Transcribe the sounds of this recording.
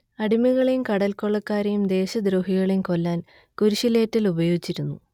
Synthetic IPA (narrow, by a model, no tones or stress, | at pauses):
ɐɽimiɣɐɭimkɐɽɐlkoɭːɐkːaːɾɐjumd̪e̞ːɕɐd̪ɾoːɦiɣɐɭimkolːaːn | kuɾuɕile̞ːtːilubɐjo̞ːɡit͡ɕːiɾunːu